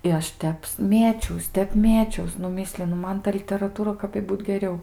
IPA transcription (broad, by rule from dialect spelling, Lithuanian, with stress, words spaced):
ɪ ˈɐʃ ˈtʲɛps ˈmʲeːt͡ʃʲɛʊs ˈtʲɛp ˈmʲeːt͡ʃʲɛʊs nʊ ˈmʲɪsʲlʲɪnʊ ˈmɐn tɐ lʲɪtʲɛrɐˈtuːrɐ kɐp ɪ ˈbuːt ɡʲɛˈrʲɛʊ